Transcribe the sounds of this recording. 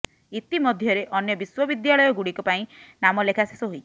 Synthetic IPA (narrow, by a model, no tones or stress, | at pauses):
it̪imɔd̪ʱjɔɾeʔɔnjɔbiswɔbid̪jaɭɔjɔɡuɽikɔpaĩnamɔlekʰasesɔɦojt͡ʃʰi̥